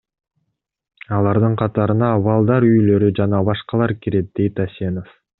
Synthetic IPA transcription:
ɑlˠɑɾd̪ɯɴqʰɑt̪ɑɾɯnɑβɑlˠd̪ɑɾyjlø̞ɾyd͡ʒɑnɑbɑʃqɑlˠɑɾkiɾe̞t̪̚d̪̥e̞jt̪asʲe̞no̞f

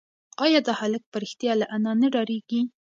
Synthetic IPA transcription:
ɑjɑd̪ɑhalək̚pəɾɪxt̪jɑlaʔanɑnaɖɑɾeɡi

